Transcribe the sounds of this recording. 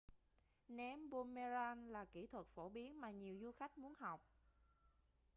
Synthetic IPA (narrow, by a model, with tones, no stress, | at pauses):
nɛ˨˧˦mɓo˧me˧zaː˧nlaː˨˩ki˧˩t̪ʰwə˨˩t̚fo˧˩ɓi˨˦ənmaː˨˩ɲi˨˩əwzu˧xa˦˥jk̟̚mu˨˦ənɦa˨˩wk͡p̚